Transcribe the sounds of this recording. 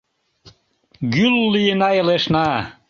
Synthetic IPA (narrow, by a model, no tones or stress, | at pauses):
ɡylːijənɑjəleʃnɑ